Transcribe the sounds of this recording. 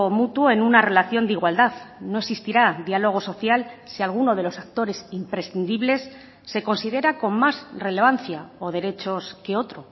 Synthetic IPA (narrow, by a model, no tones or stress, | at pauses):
omut̪woe̞nunare̞laθjo̞nd̪iɣwald̪aðno̞eksist̪iɾad̪ialo̞ɣ̞o̞so̞θjalsialɣ̞uno̞ð̞e̞lo̞sak̚t̪o̞ɾe̞simpɾe̞sθind̪iβle̞sː | e̞ko̞nsið̞e̞ɾako̞mmazre̞le̞βan̟θjao̞ð̞e̞ɾe̞t͡ʃo̞ske̞o̞t̪ɾo̞